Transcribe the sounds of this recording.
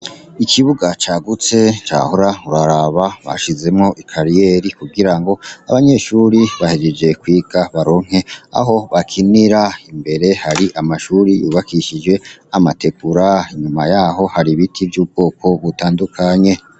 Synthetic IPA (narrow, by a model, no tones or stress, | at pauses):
ikʰiβuɡat͡ʃaːɡut͡se̞t͡ʃa̰ːhoɾauɾaɾaβaβa̰ʃize̞mŋo̞ʔikʰaɾijeːɾikuɡiɾaŋɡo̞a̰βaɲe̞ːʃuɾiβahed͡ʒed͡ʒe̞kwiːɡaβaɾo̞ŋ̥e̞a̰ɦo̞βakʰiniɾaimbe̞ɾe̞haɾiʔamaʃuːɾijṵːβakiʃid͡ʒwe̞amatepuɾaiɲumajaːɦo̞haɾiβitʰivjuːb̚ɡo̞ːkʰo̞βutaːndukʰaɲe̞